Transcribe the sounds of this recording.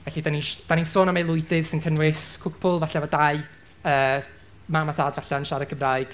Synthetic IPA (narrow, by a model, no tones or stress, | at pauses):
vɛɬidaniʃd̥anisoːnəmelˠʊɨdɪð̥sɪnkʰənrɪskʰʊkʰpʰulˠvaɬɛvɔdaɨ | əː | mamaθaːdvaɬaənʃaɾəkʰəmrajɡ̥